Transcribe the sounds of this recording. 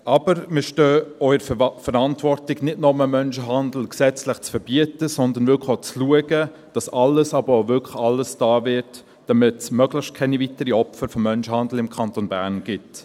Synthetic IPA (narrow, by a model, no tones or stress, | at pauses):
ʔɑb̥əɾmɪʃtøːɔʏəɾfəɾɑntvɔrtɪɡnɪtnɔməmœnʃəɦɑndl̩ksɛt͡slɪχt͡sfəɾb̥iətəsɔnd̪ənvʏkot͡sluəɡə | d̥ɑsɑləsɑbəɾovʏkʰɑlːəsd̥ɑːvɪt | d̥ɑmɪtsmœɡlɪxʃtkʰɛnivitəɾiɔpfəɾfɔmːœnʃəhɑndl̩ɪmkʰɑntonbæːʁnɡ̥ɪt